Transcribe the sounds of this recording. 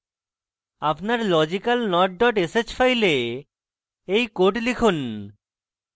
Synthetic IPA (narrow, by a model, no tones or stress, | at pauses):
apnaɾlɔd͡ʑikalnɔʈ̚ɖɔʈeset͡ɕfajle | ejkoʈlikʰun